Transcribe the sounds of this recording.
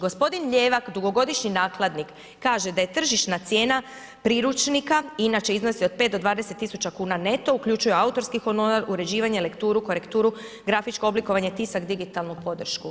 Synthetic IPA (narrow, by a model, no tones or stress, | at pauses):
ɡo̞spo̞d̪inʎe̞ːʋakd̪uɡo̞ɡo̞d̪iʃɲinaːklˠad̪nikː | aːʒe̞d̪aje̞t̪r̩ʒiʃt̪nat̪sje̞ːna | pɾiɾut͡ʃnikainat͡ʃe̞izno̞sio̞d̪̚pet̪d̪o̞d̪ʋaːd̪eset̪ːisut͡ʃakuːnane̞t̪o̞ukʎut͡ʃujeaut̪o̞ɾskixo̞noɾaɾuɾe̞d͡ʑiːʋaɲe̞le̞kt̪uːɾuko̞ɾe̞kt̪uːɾu | ɡɾafit͡ʃko̞obliko̞ʋaɲe̞t̪isakd̪iɡit̪alˠnupo̞d̪r̩ʃku